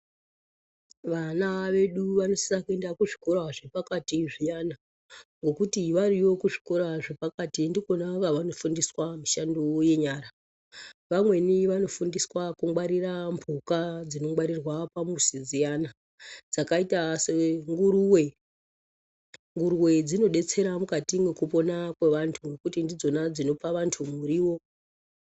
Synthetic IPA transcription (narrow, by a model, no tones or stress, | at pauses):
ʋanaʋe̞ɗuʋano̞sisakue̞ndakuʐiko̞ɾaʐepakatiʐiɲana | ŋɡo̞kutiʋaɾijo̞kuʐi̥ko̞ɾaʐepakatindikonakaʋano̞fundiswamiʃandoje̞ɲaːɾa | ʋamwe̞niʋano̞fundiswakuŋɡwaɾiɾambʱukad͡zino̞ŋwaɾirwapamusid͡zijana | d͡zakaitaseŋɡuɾuwe̞ | ŋɡuɾuwe̞d͡zino̞ɗe̞t͡se̞ɾamukatimwe̞kupo̞nakwe̞ʋantʰuŋɡe̞kutindid͡zo̞nad͡zino̞paʋantʰumuɾiwo̞